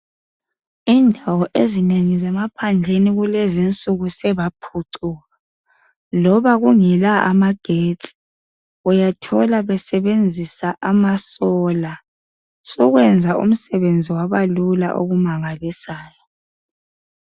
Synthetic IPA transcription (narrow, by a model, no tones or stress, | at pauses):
indʱawɔʔezineŋizɛmapʰand͡ɮʱeniɣulezint͡sʼuɣusɛβapʰuǀuɣa | lɔβaɣuŋɛlaʔa̰maɡ̥ʱetʼ | ujatʰɔlaβɛsɛβend͡zʱisaʔamasɔla | sɔɣwɛnd͡zʱaʔṵm̩sɛβend͡zʱiwaβalula̰ʔo̰ɣumaŋalisaːjɔ